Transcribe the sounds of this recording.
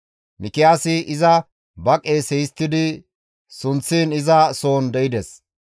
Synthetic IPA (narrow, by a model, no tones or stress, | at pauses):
mʔɪkɪjaːsɪʔɪzɐ | bɐkʼeːsɛjst̪ːɪd̪ɪ | sʊnt͡sːiːnɪzɐso̞ːnd̪ɛɪd̪ɛs